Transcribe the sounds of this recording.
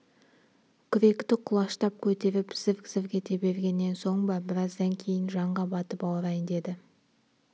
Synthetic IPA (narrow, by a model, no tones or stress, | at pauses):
kʲʰʏɾe̞kt̪ɪqʰʊlˠɑʃt̪ɑp̚kʲʰɵt̪e̞ɾɪpsɪvkʲzɪvkʲe̞t̪e̞be̞ɾɡʲe̞nːe̞nso̞ɴbɑbɪɾɑzd̪ɑŋkʲʰe̞jɪnʒɑɴʁɑbɑt̪əpɑwɾɑjənd̪e̞d̪ɪ